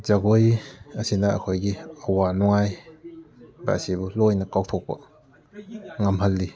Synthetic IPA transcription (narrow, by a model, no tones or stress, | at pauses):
zaɡojɐsinɐɐ̰kʰojɡiɐwanɔŋaj | ba̰sibulojnɐkawtʰok̚pɐ̰ | ŋɐmɦɐlːi